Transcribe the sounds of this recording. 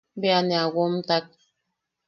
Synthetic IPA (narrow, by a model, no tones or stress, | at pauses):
beanɛaɡom̩tak̚